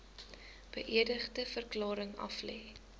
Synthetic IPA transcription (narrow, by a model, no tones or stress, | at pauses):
b̥əʔiədəχdəfərklɑːɾəŋɐ̰flɛː